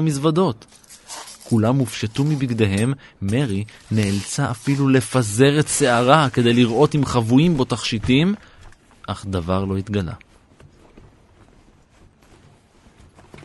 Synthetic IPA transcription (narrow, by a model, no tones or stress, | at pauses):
misvado̞t̪ | kulamːufʃat̪umibiɡd̪e̞ɦe̞mːe̞ʁineːlt͡saʔafilule̞faze̞ʁet̪se̞aʁake̞d̪e̞jliʁʔo̞t̪imχavujimbo̞t̪aχʃitim | ʔaχd̪avaʁlo̞it̪ɡala̰